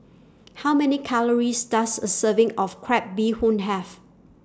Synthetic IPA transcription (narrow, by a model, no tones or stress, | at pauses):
hawmɛnikʰaləɹisdasəsəvɪ̃ŋɔfkʰɹɛp̚bihũnɦɛv